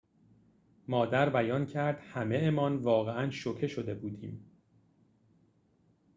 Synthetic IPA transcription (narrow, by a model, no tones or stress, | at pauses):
mɒːd̪æɾbæjɒːncʰæɾd̪̥hæme̞emɒːnvɒːɣeʔænʃocʰe̞ʃo̞d̪e̞buːd̪iːm